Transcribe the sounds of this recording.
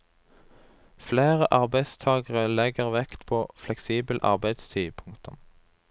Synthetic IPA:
fleːʁəʔɑʁbæɪst̪ʰɑːɡəʁəlɛɡəʁʋɛkt̪pʰoːflɛksiːbəl̩ʔɑ̰ʁbæɪd̪st̪ʰiːpʰʊŋkt̪ʰəm

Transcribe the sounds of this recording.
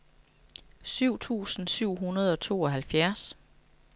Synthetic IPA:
syʊ̰t͡sʰṵːsn̩syʊ̰ɦunɐð̞ˠɒ̽t͡sʰo̝̰ːɒ̽ɦælfjæɐs

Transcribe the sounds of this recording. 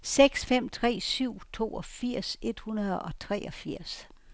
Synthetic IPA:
seɡ̥sfem̰t͡sʰʁɛ̰ːsyʊ̰t͡sʰo̝̰ːɒ̽fiɐ̰se̝d̥hunɐð̩ˠɒ̽t͡sʰʁɛɒ̽fiɐ̰s

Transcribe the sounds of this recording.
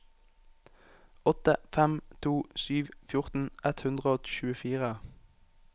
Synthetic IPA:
ɔt̪əfɛmt̪ʰuːsyːʋfjʊʁt̪n̩ʔɛt̪hʉnd̪ʁəoːɔt̪ɪ̥ʃʉːəfiːʁə

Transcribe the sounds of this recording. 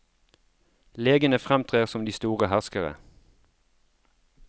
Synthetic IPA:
leːɡənəfʁɛmt̪ʰʁeːʁsɔmd̪iːst̪uːʁəhæʁskəʁə̰

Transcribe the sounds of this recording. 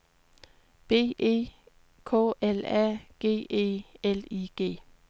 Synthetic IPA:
b̥e̝̰ːe̝̰ː | kʰɔ̰ːʔelæ̰ɡ̥e̝̰ːʔe̝̰ːeliɡ̥e̝̰ː

